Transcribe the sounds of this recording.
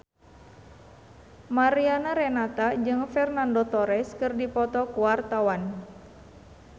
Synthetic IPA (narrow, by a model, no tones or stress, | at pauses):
maɾianaɾɛnat̪ad͡ʒɨŋfɛrnandɔt̪ɔɾɛskɨrdipɔt̪ɔkuwart̪awan